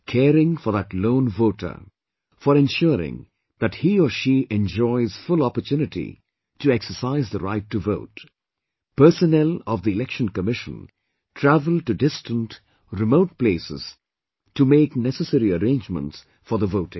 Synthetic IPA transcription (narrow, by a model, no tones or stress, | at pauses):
kʰɛɾɪ̃ŋfɔðətlõʊ̃nvoʊtʰə̰˞ | fɔɾɛ̃nʃʊɾɪ̰̃ŋ | ðæt̚hiɔʃiʔɛ̃nd͡ʒɔɪz̥fʊlɔpətʰjunɨtḭ | tɨɛksəsaɪzðəɾaɪtʰːuvoʊt | pɜ˞sənɛlɔvðiɪlɛkʃə̃nkəmɪʃə̰̃n | tʰɹævəlˠʈudɪstə̃nt | ɹɪmoʊt̚pleɪsɪ̰z̥ | tʰumeɪknɛsəsɛɾiəɾẽːnd͡ʒmə̰̃nts | fɔðəvoʊtɪ̃ŋ